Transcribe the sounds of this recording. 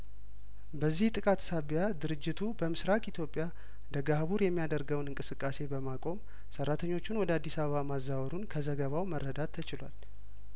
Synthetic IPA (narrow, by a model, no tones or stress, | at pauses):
bəzːiht̪ʼɨkʼat̪saβjad̪ɨɾɨd͡ʒːɪt̪ʰubəmɨsɾakʼit̪ʰjo̞pʼːja | d̪əɡahβuɾjɛmːijad̪əɾɡəwnɨŋkʼɨsɨkʼːase̞bəmakʼo̞m | sərːat̪ʰəɲːo̞t͡ʃːɪnwɔd̪əad̪ːisaβəβamazːawɾunkʰəzəɡəβawməɾːəd̪at̪ʰːət͡ʃɪlwal